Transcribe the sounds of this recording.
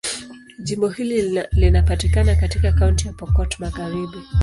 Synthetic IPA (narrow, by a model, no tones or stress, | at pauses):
ʄimbɔhililinapatikanakatikakauntijapɔkɔtɔmaɣaɾiɓi